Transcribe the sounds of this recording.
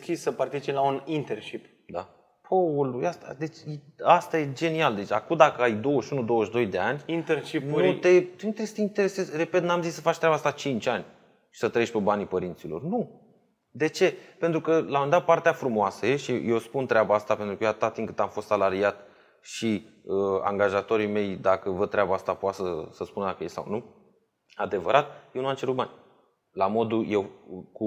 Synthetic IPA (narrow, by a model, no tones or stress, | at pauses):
skissəpart̪it͡ʃinlaunint̪erʃip | d̪a | pʰoulujast̪a̰d̪e̞t͡ʃjeast̪aje̞d͡ʒe̞niald̪et͡ʃʲakud̪akəajd̪o̞wəʃunud̪o̞wəʃd̪o̞jd̪e̞anʲint̪erʃint̪e̞t̪eint̪eɾest̪eint̪eese̞zʲre̞pe̞t̪namzisːəfat͡ʃt̪ɾabast̪at͡ʃint͡ʃʲanʲ | ʃi̥sət̪ɾəe̞ʃʲpebanipəɾint̪silo̞̰rnu | d̪e̞t͡ʃe̞pe̞nt̪ɾukəlamɨnd̪at̪̚part̪eafɾumoasəjeʃijewspunt̪ɾeabaast̪apent̪ɾukəjeat̪at̪iŋkɨt̪amfost̪salaɾiat̪ | ʃiəa̰ŋɡaʒat̪o̞ɾime̞jd̪akəvəd̪̚t̪ɾeabaast̪apoat̪səsəspunəd̪akəjessa̰wnu | ad̪e̞vəɾat̪̚jewnuamt͡ʃe̞ɾut̪̚banʲ | lamo̞d̪uje̞wku